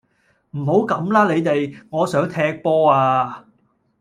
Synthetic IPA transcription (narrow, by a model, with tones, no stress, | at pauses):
m̩˨˩ho˨˥wkɐ˨˥mlaː˥le˨˧jt̪e˨jŋɔː˨˧sœː˨˥ŋt̪ʰɛː˧˥k̚pɔː˥aː˧